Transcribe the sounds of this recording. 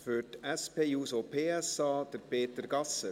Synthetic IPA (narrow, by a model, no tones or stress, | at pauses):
føːtæspʰeːjuːsopʰeːɛsɑːd̪̥əɾpʰeːt̪əɾɡɑsə